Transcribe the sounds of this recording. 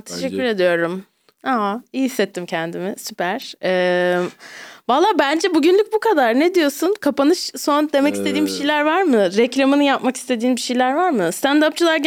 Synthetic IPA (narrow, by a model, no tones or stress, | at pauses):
t̪ʰeʃɛcʲːyɾe̞d̪ijo̞ɾum | aɦaijihisːɛt̪ʰːimcʰɛnd̪imɪsypʰæɾ̥ɛ | valˠːaːbænd͡ʒɛbuɟynlʲyc̚bukad̪aɾned̪ijo̞sunkʰapanɯʃso̞nd̪e̞mɛci̥st̪ʰeiːnbiʃejlʲæɾvaɾmɯɾɛclʲamɯnɯjapmaki̥st̪ʰe̞d̪iːnbiʃejlʲæɾvaɾmɯst̪ʰænd̪ap̚t͡ʃʰɯlˠaɾ